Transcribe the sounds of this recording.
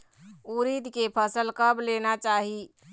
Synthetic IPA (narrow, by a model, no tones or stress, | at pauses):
uɾid̪ʱkepʰəsəlkəbʱlenat͡ʃaːɦi